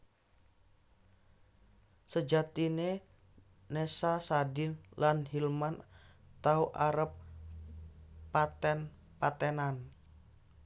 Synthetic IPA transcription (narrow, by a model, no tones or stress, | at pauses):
səd͡ʒat̪ine | nesasadɪnlanhilmant̪auʔaɾəp̚ | at̪ɛn | pat̪ɛnan